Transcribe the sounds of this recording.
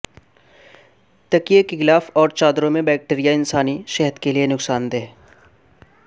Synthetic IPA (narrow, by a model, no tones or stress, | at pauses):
t̪ɐkijekːexɪlaːfɔːɾt͡ʃaːd̪ɾõmẽbɛːk̚ʈeːɾijaɪnsaːniʃɛɦət̪kelienʊksaːnd̪eː